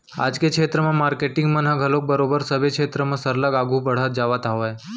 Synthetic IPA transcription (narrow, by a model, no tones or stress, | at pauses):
a̰d͡ʒkekʰet̪ɾəmãmaɾkeʈɪ̃ŋɡmãnãɡʱəlok̚bəɾobəɾsəbʱekʰet̪ɾəmãsəɾlaɡaɡʱũbəɽ̤at̪̚d͡ʒaʋat̪aʋaj